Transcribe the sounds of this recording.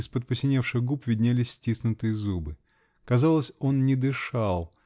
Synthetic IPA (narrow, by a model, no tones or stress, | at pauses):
ɪspət̪̚pʊsʲɪnʲefʂɨxɡupvʲɪdʲnʲælʲɪsʲːtʲisnʊt̪ɨjəzubɨ | kɐzalˠəsʲo̞nnʲɪd̪ɨʂalˠ